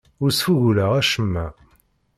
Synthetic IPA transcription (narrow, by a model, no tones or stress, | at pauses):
ʊɾsfuʝulæʁæʃəmːæ